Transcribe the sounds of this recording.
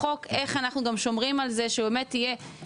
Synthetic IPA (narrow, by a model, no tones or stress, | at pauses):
o̞keχanaχnuɡamʃo̞mʁimalze̞ʃebemetːije̞